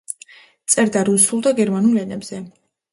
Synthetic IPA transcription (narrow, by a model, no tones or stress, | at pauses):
t̪sʼɛɾd̪aɾusulˠd̪aɡɛɾmanulɛnɛbz̥ɛ